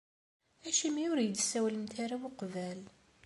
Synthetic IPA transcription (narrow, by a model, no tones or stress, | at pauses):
æʃimiʊɾjəd̪sːæwləmt̪aɾawʊqvæl